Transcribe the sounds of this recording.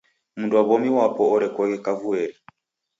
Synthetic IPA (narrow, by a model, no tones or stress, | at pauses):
munduaβɔmiwapɔɔɾɛkɔɣɛkavuɛɾi